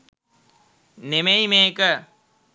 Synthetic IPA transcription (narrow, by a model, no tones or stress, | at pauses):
nemejmeːkə